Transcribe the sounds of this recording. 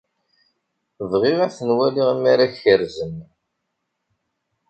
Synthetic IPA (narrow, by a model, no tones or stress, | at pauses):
vʁiʁæθənwæliʁimːaɾaçəɾzən